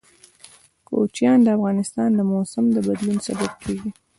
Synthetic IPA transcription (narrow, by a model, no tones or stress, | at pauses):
ko̰t͡ʃjɑnd̪əafɣɑnɪst̪ɑnd̪əmosamd̪əbad̪lunsabab̚kʰeɡi